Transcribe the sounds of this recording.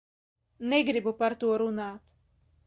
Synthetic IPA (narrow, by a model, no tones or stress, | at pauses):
neɡɾibupaɾt̪uɔɾunaːt̪